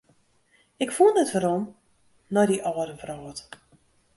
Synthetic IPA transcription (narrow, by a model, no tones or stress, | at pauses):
ɪkfundətʋəɾom | nɔdiʔɔːədəvrɔːt